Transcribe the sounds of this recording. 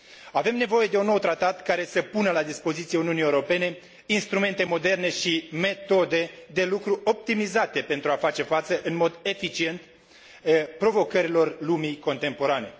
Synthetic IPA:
ave̞mne̞vo̞je̞d̪e̞unːo̞wt̪ɾat̪at̪kaɾe̞səpunəlad̪ispo̞zit̪sijeuniunijewuɾo̞pe̞ne̞ | inst̪ɾume̞nt̪e̞mo̞d̪e̞rne̞ʃime̞t̪o̞d̪e̞d̪e̞lukɾuʔo̞p̚t̪imizat̪e̞pe̞nt̪ɾuafat͡ʃe̞fat̪səʔɨnmo̞d̪e̞fit͡ʃie̞nt̪ | pɾo̞vo̞kəɾilo̞rlumiko̞nt̪empo̞ɾane̞

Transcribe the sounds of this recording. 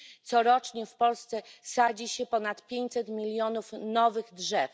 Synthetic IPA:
t̪sɔɾɔt͡ʂɲɛfpɔlst̪sɛsad͡ʑiɕɛpɔnat̪pʲjeɲt͡ɕ̪ʲsɛt̪mʲilʲjɔnufnɔvɘɣdʐɛf

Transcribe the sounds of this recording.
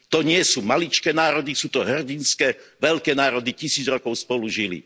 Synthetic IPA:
t̪ɔɲɪɛsuːmalit͡ʃkɛːnaːɾɔd̪isuːt̪ɔɦrɟinskɛʋɛʎkɛːnaːɾɔd̪icisiːd͡zɾɔkɔʊspɔluʒilḭ

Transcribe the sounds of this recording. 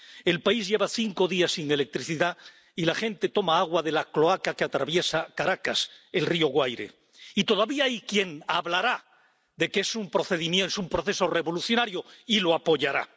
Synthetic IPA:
e̞lpaizʝe̞βaθiŋko̞ðiasːiŋe̞le̞k̚t̪ɾiθiða | ilaxe̞nt̪e̞t̪o̞maaɣwaðe̞laklo̞akakeat̪ɾaβje̞sakaɾakase̞lrio̞ɣwajɾe̞̰ | it̪o̞ðaβiaajkje̞ŋaβlaɾa | ðe̞keesumpɾo̞θe̞ðimjensumpɾo̞θe̞so̞re̞βo̞luθjo̞naɾjoiloapo̞ʝaɾa̰

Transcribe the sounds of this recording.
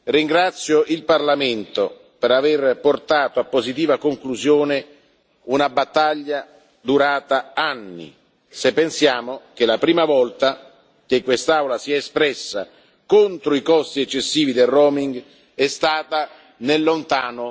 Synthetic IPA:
riŋɡɾat̪sːjoʔilparlament̪o | peɾaverport̪aːt̪oapːozit̪iːvakoŋkluzjoːne | unabat̪ːaʎːa | d̪uɾaːt̪aanːḭ | sepːensjaːmok̟elapɾiːmavɔlt̪a | k̟ekːwest̪awlasiɛespɾɛsːa | kont̪ɾoikɔst̪iɛt͡ʃːesːiːvid̪erroːmiŋɡ | ɛst̪aːt̪a | nelːont̪aːno

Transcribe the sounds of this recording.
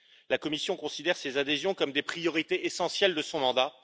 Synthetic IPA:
lakɔmisjɔ̃kɔ̃sid̪ɛʁsezad̪ezjɔ̃kɔmd̪epχijɔʁit̪eʔesɑ̃sjɛld̪əsɔ̃mɑ̃d̪a

